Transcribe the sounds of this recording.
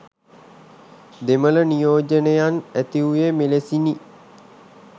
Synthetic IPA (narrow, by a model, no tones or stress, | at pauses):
d̪emələnijoːd͡ʒənəjanæt̪iujemelesini